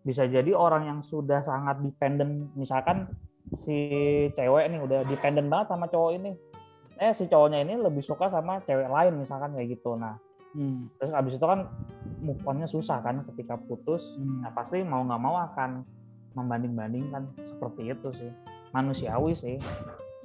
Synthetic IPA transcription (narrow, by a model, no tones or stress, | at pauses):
bis̬ad͡ʒadioɾaŋjaŋsudahsaŋat̪̚dipɛndənmisalkansit͡ʃewɛʔnɪhudahdipɛndənbaŋət̪̚samat͡ʃowɔinɪ | ɛsit͡ʃowɔɲainiləbɪhsukasamat͡ʃewɛʔlaɪnmisalkankajɡit̪unah | t̪ɾʊsabɪsit̪ukanmufɔnɲasusahkankət̪ikaput̪ʊsnapast̪imauŋɡaʔmauakan | məmbandɪŋbandɪŋkansə̥pərt̪iːt̪usɪh | manusiawɪsɪh